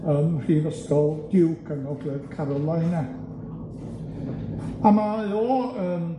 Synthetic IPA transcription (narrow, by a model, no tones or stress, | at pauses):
əːmr̥iːvəskɔlˠd̥ɪwkʰənɔɡlɛðkʰaɾɔlˠajna | amajoːəːm